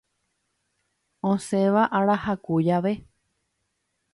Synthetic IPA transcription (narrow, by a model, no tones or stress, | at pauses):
õsẽʋaʔaɾahakujaʋe